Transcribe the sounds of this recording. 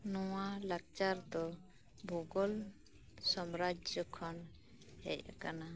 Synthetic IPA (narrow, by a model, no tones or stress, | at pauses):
nɔwalak̚t͡ʃaɾd̪ɔ | bʱɔɡɔl | sɔmɾad͡ʒəkʰɔn | hɛ̰jkana